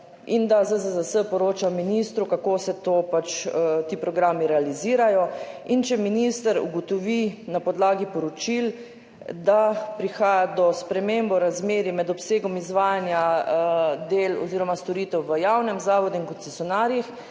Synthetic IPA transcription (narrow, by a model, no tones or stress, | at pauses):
ind̪azəzəzəsəpɔɾoːt͡ʃaminist̪ɾukakoːsɛt̪oːpat͡ʃt̪iːpɾɔɡɾaːmiɾɛaliziːɾajɔint͡ʃɛminist̪əɾṵɡɔt̪ɔʋinapɔd̪laːɡipɔɾɔt͡ʃil | d̪apɾixaːjad̪ɔspɾɛmeːmbɔɾazmeːɾimɛd̪ɔpseːɡɔmizʋaːjanja | d̪eːlɔ̰ziːɾɔmast̪ɔɾit̪ɛwʋəjawnɛmzaːʋɔd̪uinkɔt̪sɛsjɔnaːɾjix